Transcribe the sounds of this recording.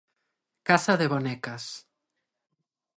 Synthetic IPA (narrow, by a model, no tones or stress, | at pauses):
kasaðeβonekas